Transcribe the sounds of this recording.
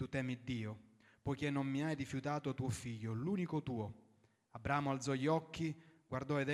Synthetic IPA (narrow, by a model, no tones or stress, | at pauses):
t̪ut̪ɛːmid̪ːiːo | pɔjkenːomːiajrifjut̪aːt̪ot̪uːofiʎːoluːnikot̪uːo | abɾaːmʊalt̪zɔʎɔkːiɡward̪ɔed̪